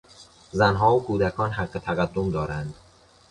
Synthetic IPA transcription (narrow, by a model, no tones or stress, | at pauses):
zænɦɒːokʰuːd̪ækʰɒːnɦæɢːet̪ʰæɣæd̪ːomd̪ɒːɾænd̪